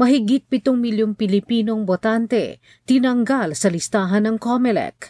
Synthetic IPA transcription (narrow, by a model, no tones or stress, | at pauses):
mɐɦɪɡit̪̚pɪt̪oŋmɪljoŋpɪlɪpiːnoŋbot̪ant̪ɛ̰ | t̪ɪnɐŋɡalsɐlɪst̪aːɦɐnːɐŋkomɛlɛ̰k